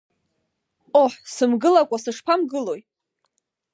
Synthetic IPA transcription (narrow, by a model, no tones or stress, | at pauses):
oħsɨmɡɨlakʷʼasɨʂpʰamɡɨlo̞j